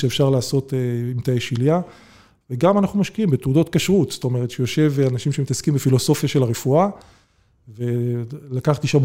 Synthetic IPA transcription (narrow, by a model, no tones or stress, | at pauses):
ʃeːfʃaʁlaːso̞t̪eimt̪ajeʃilja | veɡamanaχnumaʃkiimbet̪udo̞t̚kaʃʁut̪st̪o̞me̞ʁt̪ʃejo̞ʃe̞vanaʃimʃemit̪askimbefilo̞so̞fjaʃe̞laʁefua | ve̞lakaχt̪iʃam